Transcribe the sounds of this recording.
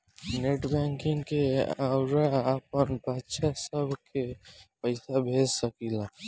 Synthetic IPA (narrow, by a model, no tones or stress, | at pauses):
neʈbɛ̃ːŋkɪ̃ŋɡkeaʊɾaəpənbətːʃasəbʱkepəɪsabʱeːd͡ʒsəkila